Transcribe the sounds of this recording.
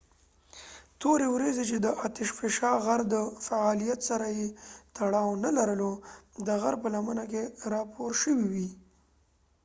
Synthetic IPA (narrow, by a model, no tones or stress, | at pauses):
t̪oɾewɾazet͡ʃed̪əʔɑt̪ɪʃfɪʃɑɣaɾd̪əfaɑlijat̪saɾajet̪aɽɑwnalaɾəlod̪əɣaɾpəlamənakeɾɑpʰoɾʃəwiwi